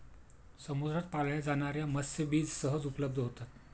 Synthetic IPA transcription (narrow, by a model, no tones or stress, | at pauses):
səmod̪ɾat̪̚paljad͡zaɽ̃aɾjaməsːəbiːd͡zsəɦəd͡zupləb̚d̪ʱəɦot̪at̪